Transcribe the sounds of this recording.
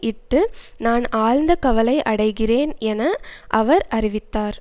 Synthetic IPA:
ʔɪʈːɯnaːnaːɻnd̪ɐkɐʋɐlɐɪʔɐɽɐɪɣɪreːnɛnɐʔɐʋɐɾʔɐrɪʋɪt̪ːaːɾ

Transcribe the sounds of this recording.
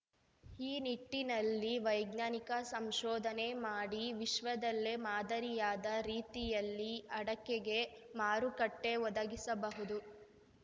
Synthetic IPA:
iːniʈːinɐlːiʋɐjɡnaːnikɐsɐmʃɔːd̪ʱɐnemaːɽiʋiʃʋɐd̪ɐlːe̞maːd̪ɐɾijaːd̪ɐɾiːt̪ijɐlːiɐɽɐkːeɡe̞ | maːɾukɐʈːe̞ʋɔd̪ɐɡisɐbɐɦud̪u

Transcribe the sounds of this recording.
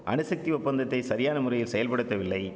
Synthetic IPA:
ʔɐnɯsɐk̚t̪iʊpːɐnd̪ɐt̪ːɐɪsɐɾɪjaːnɐmʊrɐjɪlsɛjɐlpɐɽɯt̪ːɐʋɪlːɐɪ

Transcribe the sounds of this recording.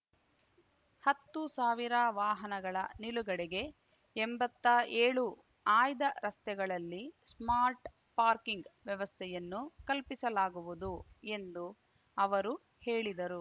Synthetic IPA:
hɐt̪ːusaːʋiɾɐʋaːɦɐnɐɡɐɭɐniluɡɐɽɛɡe̞ | embɐt̪ːɐeːɭu | aːjd̪ɐɾɐst̪ɛɡɐɭɐlːismaːɾʈ | paːɾkiŋɡʋjɛʋɐst̪ʰɛjɐnːukɐlpisɐlaːɡuʋud̪ue̞nd̪u | ɐʋɐɾu | he̞ːɭid̪ɐɾu

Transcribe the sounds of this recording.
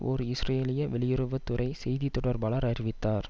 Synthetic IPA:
ɔ̰ɾɯɪsreːlɪjɐʋɛɭɪjɪɾɯʋɐt̪ːɯɾɐɪsɛjðit̪ːɔɽɐɾbaːɭɐɾɐɾɪʋɪt̪ːaːɾ

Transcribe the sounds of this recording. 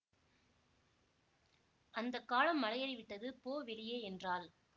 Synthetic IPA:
ʔɐnd̪ɐkːaːlɐmːɐlɐjɐɾɪʋɪʈːɐðɯpoːʋɛɭɪjeːɛndraːl

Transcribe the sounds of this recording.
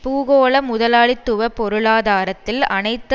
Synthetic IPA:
puːɣoːɭɐmʊðɐlaːɭɪt̪ːɯʋɐpɔɾɯɭaːðaːɾɐt̪ːɪlɐnɐɪt̪ː

